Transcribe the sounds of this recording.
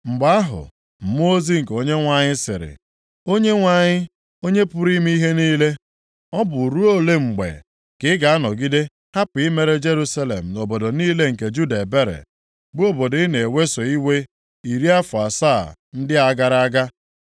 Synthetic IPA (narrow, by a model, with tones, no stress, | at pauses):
ŋ͡m̩˨ɡ͡ba˨˦a˦ɦʊ̰˨ | m̩˨mo˦o˦zi˦ŋ̩˨ko˦ɲe˦ŋʷa˨ɲɪ˦sɪ̰˨ɾɪ̰˨ | o˦ɲe˦ŋʷa˦˨ɲɪ˦ | o˦ɲe˦pʊ˦ɾi˦mi˦i˦ɦe˦niː˦le˦ | ɔ˦bʊ˨ɾu˦o˦le˦ŋ͡m̩˨ɡ͡bḛ˨ | kɪ˨˦ɡa˨a˦nɔ˨ɡi˦de˦ | ha˦pi˦me˦ɾe˦d͡ʒe˦ɾu˦sa˦le˨m̩˨no˨bo˨do˨niː˦le˦ŋ̩˨ke˨d͡ʒu˦da˨e˨be˦ɾḛ˨ | bʊ˦o˦bo˨di˦ne˨e˨we˦sɔ˨i˦we˦ | i˨ɾi˦a˦fʊ˨a˨sa˦˨n̩˦dɪ˦a˦˨ɡa˦ɾa˦a˦ɡa˦